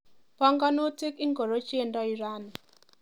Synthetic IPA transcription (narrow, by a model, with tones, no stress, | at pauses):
pɔ˦ŋɡɔ˦no˦te˦ki˦ŋɡo˨ɾo˦t͡ʃe˦˨ndɔ˦i˨ɾa˦˨n˨